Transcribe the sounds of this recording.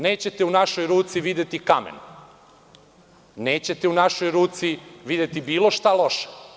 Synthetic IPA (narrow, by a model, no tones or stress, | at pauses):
ne̞ːt͡ɕe̞t̪eunaʃo̞jɾuːt̪siʋid̪et̪ikamḛn | neːt͡ɕe̞t̪eunaʃojɾuːt̪siʋid̪et̪ibiːlˠo̞ʃt̪alo̞ʃe̥